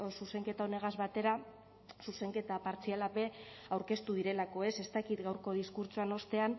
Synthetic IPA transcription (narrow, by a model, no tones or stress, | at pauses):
suse̞ŋke̞t̪aone̞ɣ̞azβat̪e̞ɾa | suse̞ŋke̞t̪apaɾt͡sialape̞ | awɾke̞st̪uð̞iɾe̞lako̞e̞se̞st̪akit̪ɡawɾko̞ð̞iskuɾt͡suano̞st̪e̞an